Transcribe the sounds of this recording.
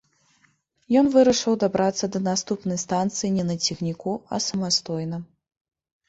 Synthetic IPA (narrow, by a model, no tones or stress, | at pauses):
jɔnvɨɾɐʂɨwd̪abɾat̪sːɐd̪ɐnast̪upnɐjst̪ant̪sɨjinʲɛnɐt͡sʲixnʲikuɐ̰sɐmast̪ɔjnɐ